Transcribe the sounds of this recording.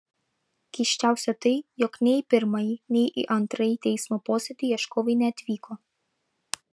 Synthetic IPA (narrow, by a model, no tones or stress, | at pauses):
kʲɛɪʃʲt͡ʃʲæˑʊsʲɛt̪ɐɪjɔknʲɛɪpʲɪɾmɐjinʲɛɪʔḭʔɐnt̪ɾɐjit̪ʲɛɪsmoːpoːsʲɛd̪ʲɪjiɛʃkoːʋɐɪnʲɛɐt̪ʲʋʲiːkʰoː